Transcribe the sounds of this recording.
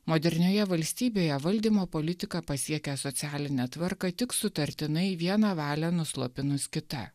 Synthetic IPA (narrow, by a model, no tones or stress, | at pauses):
moːd̪ʲɛɾʲnʲoːjɛʋɐlʲsʲt̪ʲiːbʲeːjɛʋɐlʲd̪ʲiːmoːpoːlʲɪt̪ʲɪkɑpɐsʲiɛkʲɛsɔt̪sʲæːlʲɪnʲɛt̪ʋɐɾkɑt̪ʲɪksʊt̪ɐɾʲt̪ʲɪnɐɪʋʲiɛnɑʋɑːlʲɛnʊslˠoːpʲɪnʊskʲɪt̪ɐ̰